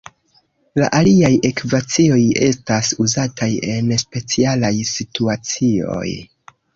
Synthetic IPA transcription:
la̰ʔaliaje̞kivat͡sio̞je̞̰stasuzatʰaje̞nspe̞t͡sialajsituat͡sio̞̰j

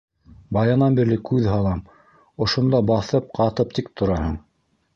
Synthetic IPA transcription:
bɑjɑnɑnbiɾlɘkʉðɦɑlˠɑm | ŏʃŏnd̪ɑbɑθɤp̚qɑt̪ɤp̚t̪ik̚t̪ʰŏɾɑhɤɴ

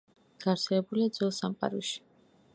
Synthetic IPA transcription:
ɡ̥aɾt̪sʰɛlɛbuliad̪zwɛlˠsamqʼa̰ɾuʃi̥

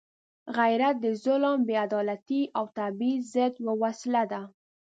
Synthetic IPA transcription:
ɣajɾat̪̚d̪əzʊləmbead̪ɑlat̪iawt̪abizəd̪wəwaslad̪a

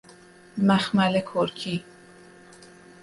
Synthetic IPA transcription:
mæxmælekʰoɾkʰiː

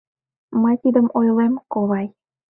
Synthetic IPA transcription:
məjt̪id̪əmojlemkoβɑj

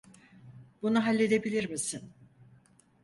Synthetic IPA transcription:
bunuɦalʲːe̞d̪e̞bilʲiɾmisin

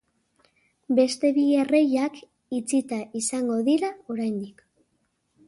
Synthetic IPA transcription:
be̞st̪e̞βie̞re̞jak | it͡sit̪aʔisaŋɡo̞ðiɾaoɾajnd̪ik

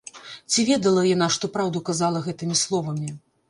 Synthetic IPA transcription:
t͡sʲivʲɛd̪ɐlˠɐjan̪aʂt̪ɔpɾawd̪ukazalˠɐɣɛt̪ɨmʲislˠɔvɐmʲi

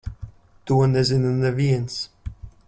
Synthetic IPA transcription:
t̪uɔnɛzinanɛviɛns

